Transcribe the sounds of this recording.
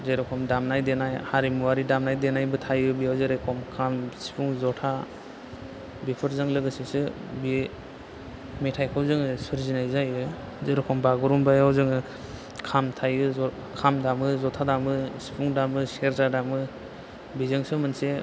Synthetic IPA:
zeɾɔkʰɔmdamnajdenajhaɾimuaɾidamnajdenajbɯtʰajɯbiawzeɾajkʰɔmkʰamsi̥pʰuŋzɔtʰa | bipʰɯɾzɯŋlɯɡɯsisɯbi | metʰajkʰawzɯŋɯsɯɾzinajzajɯ | zeɾɔkʰɔmbaɡuɾumbajawzɯŋɯ | kʰamtʰajɯ | kʰamdamɯzɔtʰadamɯsi̥pʰuŋdamɯseɾzadamɯ | bizɯŋsɯmɯnse

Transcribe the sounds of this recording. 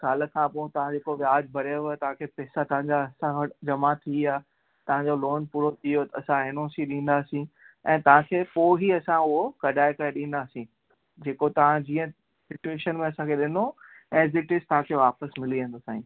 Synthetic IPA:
kaːlə̆kʰãːpõːt̪ɐʋ̤ãd͡ʑeːkoʋjaːd͡ʑbʱɐɾoʋt̪ɐʋ̤ãkʰeːpɛːsat̪ɐʋ̤ãɲd͡ʑaɐsãd͡ʑɐmat̪ʰiaː | t̪ɐʋ̤ãɲd͡ʑoloːnpuːɾot̪ʰijot̪ɐɐsãenoːsiɗĩːn̆d̪aːsĩ | ɛ̃ːt̪ɐʋ̤ãkʰeːpoːɦiɐsãʊɦokɐɖʱaːekɐɾeɗĩːn̆d̪aːsĩ | d͡ʑeːkot̪ɐʋ̤ãd͡ʑiːə̃ | sɪʈueːʃənmẽɐsãkʰeɗɪno | ɛ̃ːz̬ɪʈɪst̪ɐʋ̤ãkʰeʋaːpəsmɪliə̃nd̪osaːĩː

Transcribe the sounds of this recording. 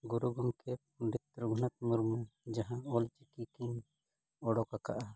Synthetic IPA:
ɡuɾuɡɔmkɛ | ɖit̪ɾuɡʱunat̪̚muɾmɛd͡ʒaɦãɔlt͡ʃikikiɲ | ɔɽɔkaka̰ʔa

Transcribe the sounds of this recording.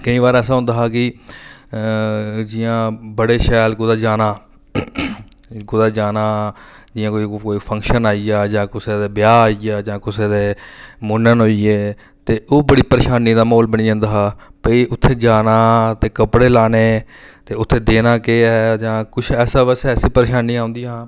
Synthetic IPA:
kəĩːʋaːɾɛːsaːɦʊ̃nd̪aːɦaːkɪ | d͡ʒɪjãːbəɽeːʃɛːlɡʊd̪aːd͡ʒaːnaː | ɡʊd̪aːd͡ʒaːnaː | d͡ʒɪjãːkoikoːipʰə̃ŋkʃənaːiaːd͡ʒãːkʊseːd̪eːbɪjaːaːiaːd͡ʒãːkʊseːd̪eːmʊnənɦoːiːeː | t̪eːʔoːbəɽiːpəɾeːʃaːniːd̪aːmoːlbəɳiːd͡ʒãːnd̪aːɦːpəiːʔʊt̪ʰːeːd͡ʒaːnaːt̪eːkəpɽeːlaːneː | t̪eːʊt̪ʰːeːd̪eːnaːkeːɛd͡ʒãːkʊt͡ʃʰɛːsaːʋəsɛːsiːpəɾeːʃaːniːaːʊ̃nd̪iːãː

